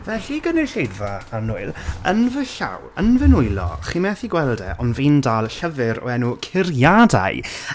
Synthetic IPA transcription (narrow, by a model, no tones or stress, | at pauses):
vɛɬiɡənɛɬedvaanʊɨlˠə̰nvəɬa̰wənvənʊɨlˠɔ̰χimɛθiɡwɛlˠdɛʔɔnvindaːlˠɬəvɨɾɔ̰ɛnukʰɪrjada̰ɨ